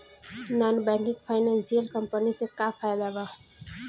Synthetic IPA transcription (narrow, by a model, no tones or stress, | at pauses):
nanbɛŋkikpʰaɪnanselkəmpənisẽkapʰajd̪aba